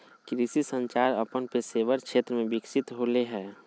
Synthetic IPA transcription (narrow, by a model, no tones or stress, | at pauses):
kɾisisə̃ɲt͡ʃaːɾɐpənpeseːʋəɾkʃeːt̪ɾəmẽbɪkʃɪt̪ɦoːleɦɛː